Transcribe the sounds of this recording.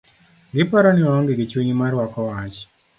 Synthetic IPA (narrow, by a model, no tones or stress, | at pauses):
ŋɡɪpɔɾɔnɪɔɔŋɡɪɡɪt͡ʃweɲimarwakɔwat͡ʃ